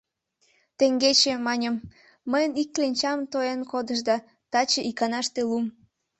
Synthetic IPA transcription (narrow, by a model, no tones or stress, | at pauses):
t̪eŋɡet͡ɕemɑnʲəmː | əjənikːlenʲt͡ɕɑmt̪oenkod̪əʃd̪ɑ | t̪ɑt͡ɕəʔikɑnɑʃt̪elum